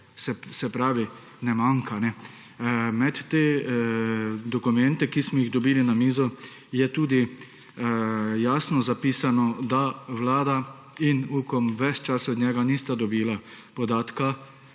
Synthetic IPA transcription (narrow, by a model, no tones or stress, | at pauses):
sɛsɛpɾaːʋi | nɛmaŋkʰanɛ | mɛt̪ːeː | d̪ɔkumɛnt̪ɛkismɔjiɣd̪ɔbiːlinamiːzɔ | jɛt̪uːd̪i | jaːsnɔzapiːsanɔd̪aʋlaːd̪a | inuːkɔmʋɛt͡ʃt͡ʃasɔd̪ɲɛɡanist̪ad̪ɔbiːla | pɔd̪aːt̪ka